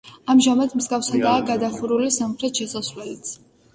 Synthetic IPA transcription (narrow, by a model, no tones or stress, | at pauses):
amʒamad̪mzɡafsad̪aːɡad̪aχuɾulisamχɾɛt̪ʃɛsasvlɛlit̪sʰ